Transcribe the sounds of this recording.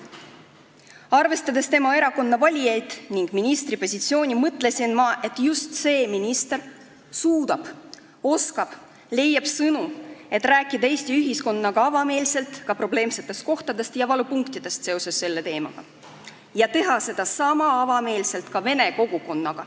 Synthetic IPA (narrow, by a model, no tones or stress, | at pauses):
ɑrve̞st̪ɑd̪e̞st̪e̞mɑe̞ɾɑko̞nːɑvɑlʲijejt̪niŋɡ̥minist̪ripo̞sʲit̪sio̞ːnʲimɤt̪ːˑle̞sinmɑʔe̞t̪ːˑjust̪se̞ːminist̪e̞r | suːd̪̥ɑb̥ | o̞skɑb̥ | le̞jːɑb̥sɤnue̞t̪ːˑræːkːˑid̪ɑe̞ːst̪iyɦisko̞nːɑɡ̥ɑɑvɑme̞ːlse̞lt̪kɑpro̞ble̞ːmse̞t̪ːˑe̞st̪̚ko̞ht̪ɑd̪e̞st̪jɑvɑlupuŋkt̪id̪̥e̞st̪se̞o̞se̞sːe̞lːe̞t̪e̞ːmɑ̰ɡ̥ɑ̰ | jɑt̪e̞ɦɑse̞d̪̥ɑsɑmɑɑvɑme̞ːlse̞lt̪kɑve̞ne̞ko̞ɡ̥uko̞nːɑɡ̥ɑ